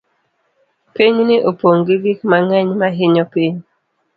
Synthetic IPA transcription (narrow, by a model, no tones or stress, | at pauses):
piɲnɪʔopoŋɡiɡikmaŋɛɲmaɦɪɲɔpiɲ